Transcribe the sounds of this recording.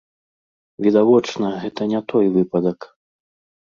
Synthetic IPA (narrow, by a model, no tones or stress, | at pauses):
vʲid̪avɔt͡ʂnɐɣɛt̪ɐnʲat̪ɔjvɨpɐd̪ɐk